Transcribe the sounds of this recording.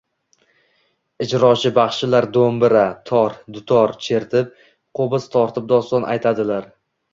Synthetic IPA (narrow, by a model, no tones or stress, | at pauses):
ɪd͡ʒɾɒt͡ʃʰɪbɑχʃɪlaɾd̪ombɪɾat̪ʰɒɾd̪ʊt̪ʰɒɾt͡ʃʰe̞ɾt̪ʰɪp̚ | qʰobɪzt̪ʰɒɾt̪ʰɪp̚d̪ɒst̪ɒnʔa̰jt̪ʰad̪ɪlaɾ